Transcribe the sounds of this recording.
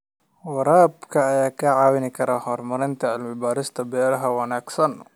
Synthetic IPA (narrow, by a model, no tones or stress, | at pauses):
wɑɾaːbkʰɐːjaːkʰɐʕaːwɪnɪkʰɐɾɐhɔrmɐɾɪnt̪ʰɐɐlmɪbaːɾɪst̪ʰɐbɛːɾɐɦɐwɑnaːɡsɐn